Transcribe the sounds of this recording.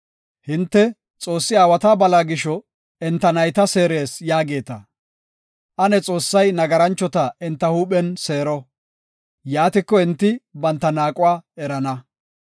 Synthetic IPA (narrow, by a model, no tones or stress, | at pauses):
hɪnt̪ːɛ | t͡sʼo̞ːsːɪaːwɐt̪aːbɐlaːɡɪʃɔ | ɛnt̪ːɐnɐjt̪ɐse̞ːɾe̞ːsjaːɡe̞ːt̪ɐ̰ | ʔɐnɛt͡sʼo̞ːsːɐjnɐɡɐɾɐnt͡ʃːɔt̪ɐɛnt̪ːɐhuːɓɛnse̞ːɾɔ | jaːt̪ɪkːɔɪnt̪ːɪbɐnt̪ːɐnaːkʼʊwaːɛɾɐnɐ